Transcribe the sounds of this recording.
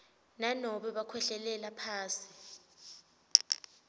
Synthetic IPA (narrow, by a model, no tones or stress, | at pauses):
nanɔɓɛɓakʰwɛɬɛlɛlapʰaːsi̥